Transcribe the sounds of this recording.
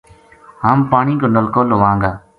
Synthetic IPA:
ɦaːmpaːɳĩːkoːnəlkoːloʋãːŋɡaː

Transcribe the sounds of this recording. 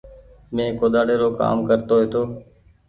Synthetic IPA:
mẽːkoːd̪aːɽeːɾoːka̰ːmkəɾt̪oːɦeːt̪oː

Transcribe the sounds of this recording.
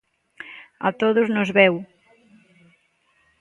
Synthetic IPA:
a̰t̪oðʊznozβɛw

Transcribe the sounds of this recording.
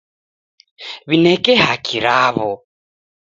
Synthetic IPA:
βinɛkɛhakʰiɾaβɔ

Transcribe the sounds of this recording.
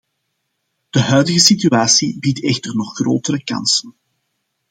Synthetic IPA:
d̥əɦœɥdəɣəsityaːsibitɛxtərnɔχxro̰ːtəɾəkɑ̰nsən

